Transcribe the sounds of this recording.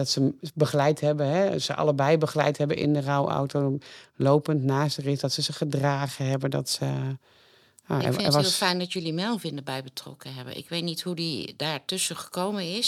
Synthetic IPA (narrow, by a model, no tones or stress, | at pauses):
dɔtsəbəχlɛjthɛbəɦɛsəʔɑ̰ləbɛjbəχlɛ̰jthɛbənʔɪ̰ndərawʔa̰wtolowpəntnaːsərɪsdɔtsəzəχədraːɣəɦɛbəndɔ̰tsə | ja̰ɛ̰ɛʋɔlˠfɛjndɔtjølimɛlˠvɪndəbɛjbətrɔ̰kəɦɛbə̰nɪ̰kʋejtnithudidaːɹtøsəχə̥kowmənɪs